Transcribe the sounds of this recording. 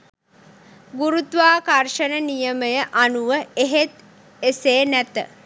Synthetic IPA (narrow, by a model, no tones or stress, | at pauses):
ɡuɾut̪ʋaːkarʃənənijəməjəʔanuʋəeɦet̪ | eseːnæt̪ə̰